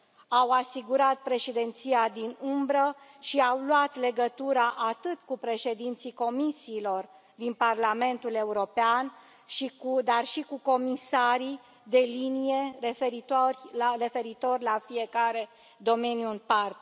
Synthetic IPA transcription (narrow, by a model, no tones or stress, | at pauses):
awasiɡuɾat̪̚pɾe̞ʃed̪e̞nt̪siad̪inumbɾə | ʃiawluat̪le̞ɡət̪uɾaʔat̪ɨt̪kupɾe̞ʃe̞d̪int̪siko̞misiːlo̞r | d̪inparlame̞nt̪ule̞uɾo̞pean | ʃikud̪arʃikuko̞misaɾi | d̪e̞linije̞ɾefeɾit̪rare̞fe̞ɾit̪o̞rʲlafie̞kaɾe̞ | d̪o̞me̞njuɨnpart̪e